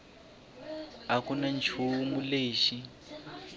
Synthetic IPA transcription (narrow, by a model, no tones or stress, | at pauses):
akunant͡ʃʰumuleːʃi